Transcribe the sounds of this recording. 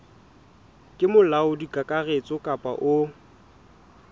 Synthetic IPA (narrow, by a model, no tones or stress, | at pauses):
kʼɪmʊlaʊdikʼakʼaɣet͡sʼɔkʼapʼa̰ʔʊ